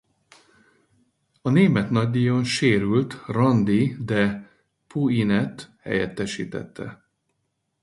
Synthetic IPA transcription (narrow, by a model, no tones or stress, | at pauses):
ɒneːmɛt̪nɒɟ̚d̪iːjo̞nʃeːɾylt̪rɒnd̪id̪ɛ | puinɛt̪hɛ̰jɛt̪ːɛʃḭːt̪ɛ̰t̪ʰːɛ̰